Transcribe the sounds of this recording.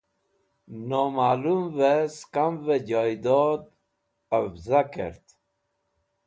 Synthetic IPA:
nɔmalumveskamved͡ʒɑjd̪ɔd̪ | avzakḛɾt̪

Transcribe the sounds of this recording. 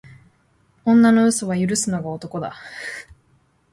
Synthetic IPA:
õ̞nːano̞ɯ̟soβajɯ̟ɾɯ̟sɨno̞ɡao̞t̪o̞ko̞d̪a̰

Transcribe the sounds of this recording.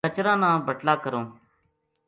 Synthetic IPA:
ət͡ʃɾãːnãːbəʈlaːkəɾõː

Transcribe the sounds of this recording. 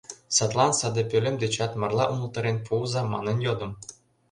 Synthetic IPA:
sɑt̪lˠɑnsɑd̪ɤ̆pʲølʲɘ̆md̪ʲet͡ɕɑt̪mɑrlˠɑʔumɤ̆lˠt̪ɤ̆ɾʲenʲpʰulzɑmɑ̰nɤ̆njod̪ɤ̆m

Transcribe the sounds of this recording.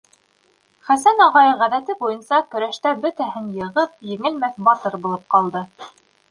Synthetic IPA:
χæsænɑʁɑjɤʁæðæt̪ɘbujɤnsɑkɵ̆ɾæʃt̪æbɵ̆t̪æhɘnjɤ̆ʁɤp̚jɘ̆ŋɘlmæθbɑt̪ɤɾbulˠɤp̚qɑlˠd̪ɤ

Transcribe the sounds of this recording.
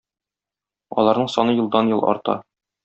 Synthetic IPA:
ɒ̰lˠɑɾnɤɴsɒnɤjɤ̆lˠd̪ɑnjɤlˠɒ̰ɾt̪ɑ̰

